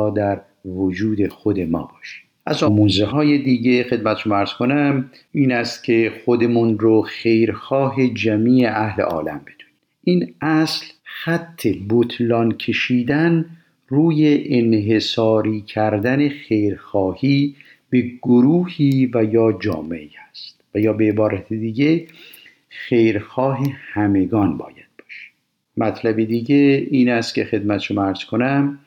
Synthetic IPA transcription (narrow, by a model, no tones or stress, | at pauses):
ɒːd̪æɾ | vod͡ʒuːd̪e̞xod̪e̞mɒ̰ːbɒːʃi̥ | ʔæzɒːmunzeɦɒːje̞d̪iːɟexe̞d̪mæt̪ʰeʃomːæɾz̥kʰonæm | ʔiːnæst̪cʲʰe̞xod̪emunɾoxe̞jɾxɒːɦe̞d͡ʒæmiːe̞ʔæhlḛʔɒ̰ːlæ̰mbed̪̥u̥ːni | ʔiːnʔæslxæt̪ʰːe̞bot̪ʰlɒnkʰe̞ʃiːd̪æn | ruːjeʔenɦesɒːɾiːcʰæɾd̪æne̞xe̞jɾxɒːhiː | b̥e̞ɡ̥oɾuːhiːvæjɒːd͡ʒɒ̰ːmḛiæst̪væjɒːbeːbɒːɾæt̪ʰed̪iːɟe | xe̞jɾxɒːɦehæme̞ɡɒːnbɒ̰ːjæd̪̥̚bɒːʃæ̥ | mæt̪ʰlæbed̪iːɟeiːnæst̪cʰe̞xe̞d̪mæt̪ʰe̥ʃomːæɾz̥kʰonæm